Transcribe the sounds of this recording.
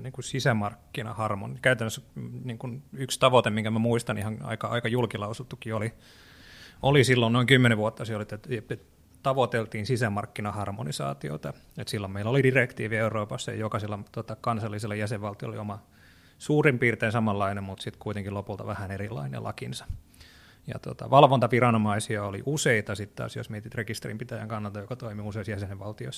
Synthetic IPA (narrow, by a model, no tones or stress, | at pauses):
niːŋkusisæmɑrkːinɑ̰hɑrmo̰nikæyt̪ænːøsːniːŋkunykst̪ɑʋot̪emmiŋkæmæmuist̪ɑnihɑnɑ̰ikɑɑ̰ikɑjulkilɑusut̪ːukːioli | olisilːonnoiŋkymːeneʋʋuot̪ːɑseolit̪ːæt̪eet̪ | t̪ɑʋot̪elt̪iːnsisæmɑrkːinɑhɑrmonisɑ̰ːt̪io̰t̪ɑ | et̪silːomeilːolidirekt̪ḭːʋieuroːpɑsːɑjɑ̰jokɑselːɑt̪ot̪ɑkɑnsɑlːiselːɑjæseʋʋɑlt̪iol̰ḭomɑ | suːrimpiːrt̪einsɑmɑlːɑinemmut̪sit̪kuit̪eŋkilopult̪ɑ̰ʋæhænerilːˑɑ̰inḛlʔɑ̰kinsɑ̥ | jɑ̰t̪o̰t̪ɑ̰ʋɑlʋont̪ɑʋirɑnomɑisiɑolḭʔuseit̪ɑsit̪t̪ɑ̰ːsjo̰smiet̪it̪rekist̪erimpit̪æjæ̰ŋkɑnːɑlt̪ɑjokɑt̪oimiuseisjæsenʋʋɑlt̪io̰s